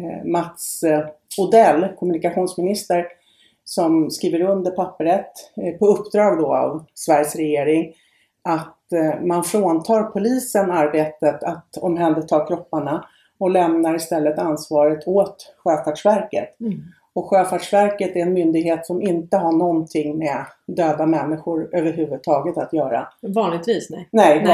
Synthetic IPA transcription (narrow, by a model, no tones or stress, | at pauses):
mat̪s | ʊd̪ɛlːkʰɔmɵnɪkaɧuːnsmɪnɪst̪əɾ | sɔmskɾiːvəɾɵnd̪əɾpʰapːəɾət̪pʰɔɵpːd̪ɾɑːɡd̪ɔa̰vsvæɾjəsɾɛjeːɾɪŋ | ʔat̪manfɾoːnt̪ʰɑːɾpʰʊliːsənaɾbeːt̪ət̪ʰat̪ɔmɦɛnd̪ət̪ʰɑːɾkʰɾɔpːaɳa | ɔlɛmnaɾɪst̪ɛlːət̪ansvɑːɾət̪ʰoːt̪ɧøːfaʈʂvæɾkə̰t̪ | ɔkɧøːfaʈʂvæɾkət̪æɾɛnmʏnd̪ɪɡɦeːt̪sɔmɪnt̪əɦaɳɔnt̪ʰɪŋːmɛd̪øːd̪amɛnːɪɧʊɾøːvəɾɦʉ̟ːvɵd̪̚t̪ʰɑːɡət̪at̪jœːɾa̰vɑːnlɪɡt̪viːsnɛnɛj